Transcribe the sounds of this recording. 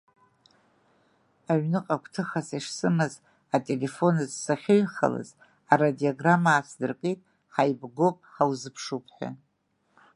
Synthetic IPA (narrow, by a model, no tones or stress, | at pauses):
aɥnɨqʼakʷʰtʰɨχasiʂsɨmɨz | atʼe̞le̞fo̞nɨzsaχʲɪɥχa̰la̰z | aradiaɡramaːt͡sʰdɨrkʼitʼ | ħajbɡo̞pʼħawzɨpʰʂupʰħʷᶣa̰